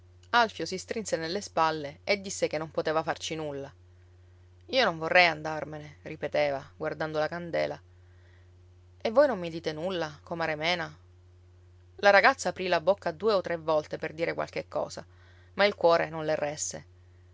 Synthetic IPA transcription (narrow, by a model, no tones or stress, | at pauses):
alfjosist̪ɾinsenelːespalːeed̪ːisːekenːompot̪eːvafart͡ʃinulːa | iːonõɱvorːɛjand̪armeneripet̪eːvaɡward̪and̪olakand̪ḛːla | evːojnõmːid̪iːt̪enulːakomaɾemɛːna | laɾaɡat̪sːaːpɾilabokːad̪uːeot̪ːɾevːɔlt̪eperd̪iːɾekwa̰lkekʰːɔ̰ːsa | mailkwɔːɾenõnlerːɛsḛ